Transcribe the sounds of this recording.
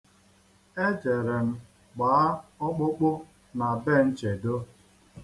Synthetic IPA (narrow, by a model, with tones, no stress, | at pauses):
e˦d͡ʒe˨ɾe˨m̩˦ | ɡ͡baː˨a˦ʊ˦k͡pʊ˦k͡pʊ˦ | na˨be˦˨n̩˦t͡ʃe˨do˦